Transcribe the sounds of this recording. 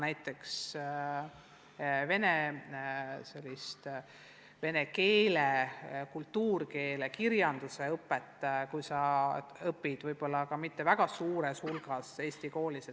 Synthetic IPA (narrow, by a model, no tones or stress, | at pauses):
næjt̪ːˑe̞ks | ve̞ne | se̞lʲːist̪ | ve̞ne̞ke̞ːlekult̪ːuːrke̞ːlekiɾjɑnd̪̥use̞ɤpːˑet̪ːˑkujsɑɤpːid̪̥vɤjb̥o̞lːɑkɑmit̪ːe̞væɡ̥ɑsuːɾe̞shulɡ̥ɑse̞ːsʲt̪iko̞ːlise